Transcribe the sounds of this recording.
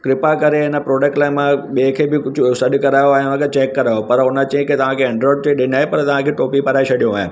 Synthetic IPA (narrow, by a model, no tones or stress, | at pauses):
kɾɪpakɐɾeɦɪnə̆pɾoːɖəkʈlaːɪmãɓeːkʰebɪkʊd͡ʑʱʊsɐɗkɐɾaːjoaːẽʊnə̃kʰet͡ɕɛːkːɐɾaːjopɐɾʊnət͡ɕɐ̃ɦɪ̃kɪt̪ɐʋ̤ãkʰeɛ̃ɳɖɾoːɾɖt͡ɕeɗɪnɪaːɦepɐɾt̪ɐʋ̤ãkʰeʈoːpipɐɾaːet͡ɕʰɐɗijũaːẽ